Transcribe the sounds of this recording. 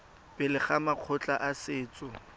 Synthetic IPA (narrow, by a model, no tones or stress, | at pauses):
pʼɪlɪχamaq͡χʰʊt͡ɬʼaʔasɪːt͡sʼɔ